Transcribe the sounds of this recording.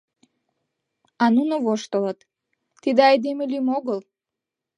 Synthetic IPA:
ɑnunoβoʃt̪ələt̪ː | id̪eɑjd̪emelʲymoɣəl

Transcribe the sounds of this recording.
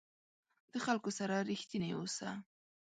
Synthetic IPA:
d̪̥əxalkosaɾaɾixt̪inawosa

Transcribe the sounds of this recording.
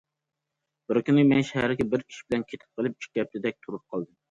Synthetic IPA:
b̥ɪɾkʲynɪmɛnʃæhæɾɡʲɛbɪɾkʲʰi̥ʃi̥bɪlɛnkʲʰet̪ʰɪ̥p̚qʰəlˠɪp̚i̥ʃɡʲɛp̚t̪ɪd̪ɛk̚ʲt̪ʰuɾup̚qʰɑlˠd̪ɨm

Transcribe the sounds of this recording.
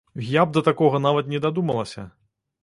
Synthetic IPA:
ɣjab̚d̪ɐt̪akɔɣɐn̪avɐt̪nʲɛd̪ad̪umɐlˠɐsʲɐ̰

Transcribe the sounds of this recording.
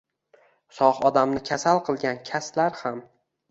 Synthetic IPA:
sɒhɒd̪amnɪkʲʰasalˠqʰɨlˠɡʲankʲʰaslaɾham

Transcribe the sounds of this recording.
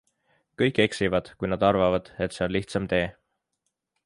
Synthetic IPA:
kɤjkːˑe̞ksivɑd̪̥kujnɑd̪̥ɑrvɑvɑd̪̥e̞t̪se̞o̞nliht̪sɑmt̪e̞ː

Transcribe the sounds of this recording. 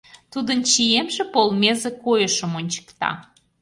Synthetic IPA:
t̪ud̪ənt͡ɕijemʒepolˠmʲezekojəʃəmonʲt͡ɕə̥kt̪ɑ̰

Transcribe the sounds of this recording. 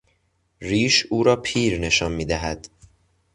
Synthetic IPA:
ɾiːʃuːɾɒːpʰiːɾne̞ʃɒːnmiːd̪æɦæd̪̥

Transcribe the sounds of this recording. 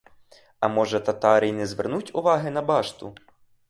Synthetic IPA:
ɐmɔʒɛt̪ɐt̪ɑɾʲijnɛzʋɛ̰rnutʲʊʋɑɦɪnɐbɑʃt̪ʊ̰

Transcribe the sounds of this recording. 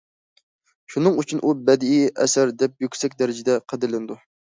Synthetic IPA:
ʃunɨŋyt͡ʃʰynʔubɛd̪ɪiʔɛ̰sæɾd̪ɛp̚jykʲsɛkʲd̪ɛɾɪd͡ʒɪd̪ɛqʰəd̪ɪlɪnɪd̪u

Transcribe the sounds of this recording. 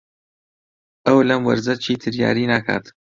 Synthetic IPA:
ɐwlɐmwɐ̰ɾzɐt͡ʃʰiːt̪ʰɨɾja̰ːɾiːnakʰa̰ːt̪

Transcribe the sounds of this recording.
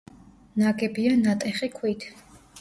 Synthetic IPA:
naɡɛbianat̪ʼɛχikʰwit̪ʰ

